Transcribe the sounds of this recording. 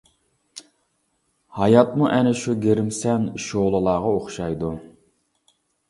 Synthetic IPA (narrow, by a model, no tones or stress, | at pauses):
hɑjɑt̪̚muʔɛnɪʃuɡʲeɾɪmsɛnʃolˠɨlˠɑːʁɑoχʃɑjd̪u